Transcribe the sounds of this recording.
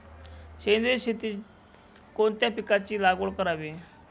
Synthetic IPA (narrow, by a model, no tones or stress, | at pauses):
ɕend̪eɕit̪i | kont̪japikat͡ɕiːlaɡoɭkəɾaʋi